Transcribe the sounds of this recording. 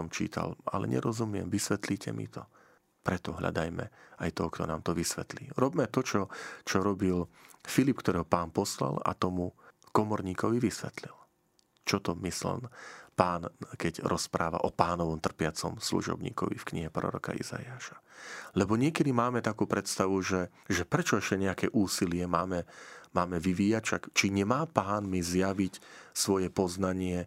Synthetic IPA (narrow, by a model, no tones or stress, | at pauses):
ɔmt͡ʃḭːt̪ʰa̰lalɛ̰ɲɛ̰ɾɔzumɪɛmʋisʋɛt̪liːcɛmḭt̪ɔ | pɾɛt̪ɔɦʎa̰d̪ajmɛ̰ajt̪ɔɦɔkt̪ɔnaːmt̪ɔʋisʋɛt̪liːɾɔbmɛt̪ɔt͡ʃɔt͡ʃɔɾɔbilfilip̚kt̪ɔɾɛːɦɔpaːnpɔsla̰la̰t̪ɔmukɔmɔɾɲiːkɔʋiʋisʋɛt̪lil | t͡ʃɔt̪ɔmisl̰npaːnkɛɟɾʔɔspɾa̰ːʋa̰ʔɔpaːnɔʋɔmt̪r̩pɪat͡sɔ̰mslṵʒɔ̰bɲḭːkɔ̰ʋḭfkɲiɦɛpɾɔ̰ɾɔ̰ka̰ḭza̰jaːʃḁlɛbɔɲɪɛkɛd̪imaːmɛt̪akuːpɾɛt̪st̪aʋuʒɛ | ʒɛpɾɛt͡ʃɔɛʃcɛɲɛakɛʔuːsilɪɛmaːmɛmaːmɛʋiʋiːjacfʃakt͡ʃiɲɛmaːpaːnmizjaʋicsʋɔjɛpɔznaɲɪɛ